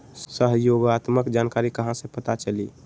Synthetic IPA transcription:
səɦjoːɡat̪məkd͡ʒaːnkaːɾikəɦãsẽpət̪at͡ʃəli

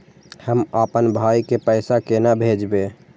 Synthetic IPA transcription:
həmapənbʱajkepəɪsakenabʱed͡ʒbe

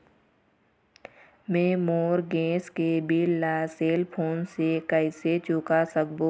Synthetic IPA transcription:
mẽːmoːɾɡẽːskebilːaːseːlpʰoːnsekəɪset͡ʃʊkasək̚boː

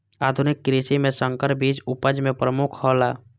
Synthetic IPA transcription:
aːd̪ʱʊnɪkːɾiʃimẽsə̃ŋkəɾbiːt͡ʃʊpəd͡ʒmẽpɾəmʊkʰhɔːlaː

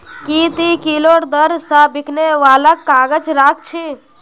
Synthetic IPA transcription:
kit̪ikiloɾd̪əɾsabikʰneʋaːlakːaːɡət͡ʃɾaːk̚t͡ʃʰi

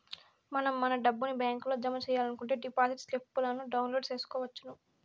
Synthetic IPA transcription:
mɐnɐmːɐnɐɖɐbːunibjaːŋkloːd͡ʒɐmɐt͡ʃɛːjaːlɐnukuɳʈe̞ːɖipaːsiʈslipːulɐnuɖɐwnlo̞ːɖt͡ʃe̞ːsu̥kɔːʋɐt͡ʃːunu

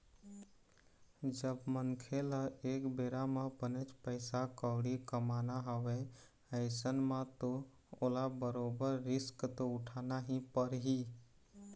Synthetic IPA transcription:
d͡ʒəbmənkʰelaeːkbeːɾamãpənet͡ʃpəɪsakəwɽikəmaːnaɦəʋe | əɪsənmãt̪o | oːlabəɾoːbəɾːɪskt̪oʊʈʰaːnaɦĩpəɾɦi

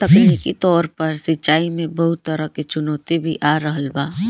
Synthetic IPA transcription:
t̪ɐkneket̪ɔːɾpɐɾsɪtːt͡ʃaːimẽbɐɦʊt̪ːəɾəket͡ʃʊnɔːt̪ibʱiʔaːɾəɦəlbaː

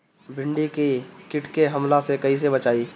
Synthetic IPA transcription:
bʱɪɳɖikikɪʈʰkeɦɐmlasekɐɦis̬ebət͡ʃaːiː

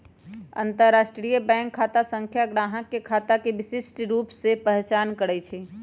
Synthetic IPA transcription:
ə̰̃nt̪əɾːaːʃʈɾijəbɛ̃ːŋkʰːaːt̪asə̃ŋkʰjaɡɾaːɦəkːekʰaːt̪akeʋɪsɪsʈɾuːpsepəɦt͡ʃaːnkəɾɛt͡ʃʰɛ

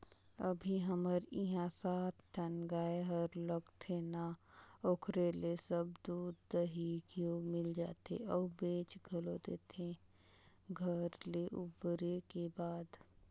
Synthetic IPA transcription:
əbʱiɦəməɾiɦãsaːt̪ʰt̪ʰənɡaːeɦəɾləɡt̪ʰenaoːkʰɾelesəbd̪uːd̪ːəɦikiomɪld͡ʒaːt̪ḛɔːbẽːt͡ʃɡʱəlod̪eːt̪ẽ | ɡʱəɾleʔʊbɾekebaːd̪

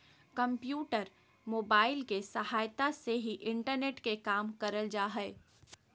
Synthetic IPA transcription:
kɐ̃mpjuːʈəɾ | moːbaːɪlkesɐɦaːjt̪aseɦiʔɪ̃ɳʈəɾneːʈkekaːmkɐɾəld͡ʒaːɦɛ

